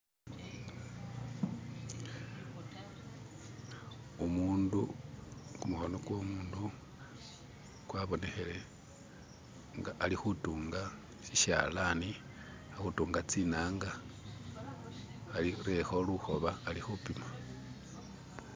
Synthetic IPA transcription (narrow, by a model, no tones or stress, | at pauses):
umuːndu | kumuxonoɡwo̞muːndu | kwaβo̞ne̞xe̞le̞ | ŋɡaʔalixutuːŋɡa | ʃiʃa̰lani | axutuːŋɡat͡sinaːŋɡa | liɾexo̞luxo̞βaːlixupima